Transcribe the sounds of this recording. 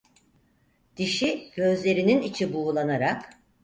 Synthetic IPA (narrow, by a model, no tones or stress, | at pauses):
d̪̥iʃiɟ̥ø̞zlʲe̞ɾininit͡ʃʰibuːlˠanaɾak